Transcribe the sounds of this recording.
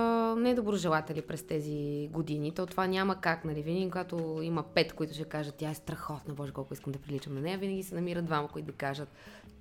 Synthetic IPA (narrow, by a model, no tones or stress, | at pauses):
nɛd̪obɾoʒɛlˠat̪ɛlipɾɛst̪ɛziɡod̪init̪ɔt̪ovanʲaməkaknɐlivinikoɡat̪oimɐpɛt̪koit̪ʊʃɛkaʒət̪ːjaɛst̪ɾɐxɔt̪nɐbɔʒɛkɔlˠkʊiskəmd̪ɐpɾilit͡ʃəmnɐnɛjɐvinɐɡʲisɛnɐmiɾəd̪d̪vamɐkoit̪ːd̪ɐkaʒət̪̚